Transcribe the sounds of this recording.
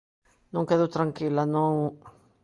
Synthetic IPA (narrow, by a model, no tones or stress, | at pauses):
nõŋkeðot̪ɾaŋkilanõŋ